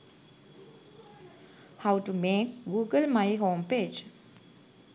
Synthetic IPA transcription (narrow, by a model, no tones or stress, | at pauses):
haʊʈumeːkɡuːɡəlmaɪɦõːmpeːd͡ʒ